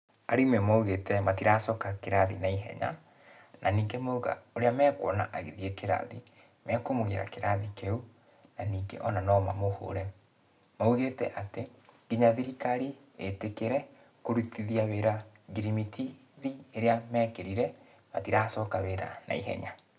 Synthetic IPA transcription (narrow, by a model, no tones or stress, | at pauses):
aɾimɛmauɣetɛmatiɾasɔːkakeɾaðḭnaiɦɛ̰ɲa̰ | nʔaniːŋɡemouɣa̰oɾeamɛːkwɔna̰ʔaɣiðiekeɾa̰ði | mɛkomoɣeɾa̰keɾaðikeu | naniːŋɡḛʔɔnanɔma̰moho̰ɾɛ | mauɣetɛʔateɡiɲaðiɾikaɾi | etekeɾɛ | koɾutiðiaweɾa | ɡiɾimitʰi | ðieɾeamɛːkeɾiɾɛ | matiɾasɔːkaweɾa̰na̰ḭɦɛ̰ɲa